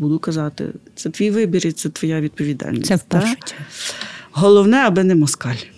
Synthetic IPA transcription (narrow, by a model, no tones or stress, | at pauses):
bud̪ʊkɐzɑt̪ɪ̰t̪sɛt̪ʋʲijʋɪbʲiɾit̪sɛt̪ʋɔjaʋʲid̪̚pɔʋʲid̪ɑ̰lʲnʲisɛw̚ʲpʃʊ̥ | ɦɔlˠɔwnɛɐbɪnɛmɔskɑlʲ